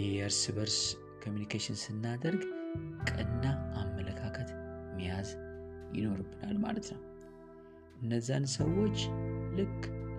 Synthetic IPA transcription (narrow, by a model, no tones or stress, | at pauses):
ɛəɾsβəɾs | kʰomjunikʰeʃɪnsɨnːad̪əɾɡkʼɨnːaʔamːələkʰakʰət̪mːijazjɪ̰no̞ɾɨbːɨna̰lma̰lət̪nəw | ʔɨnːəzːansəwːo̞t͡ʃːlɨkʼː